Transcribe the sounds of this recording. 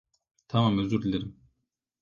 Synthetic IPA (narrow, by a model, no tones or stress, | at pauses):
t̪ʰɑmɑmøzɡyɾd̪ilʲeɾim